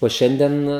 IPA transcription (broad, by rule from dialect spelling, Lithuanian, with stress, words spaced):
oː ˈʃʲɛnʲdʲiɛn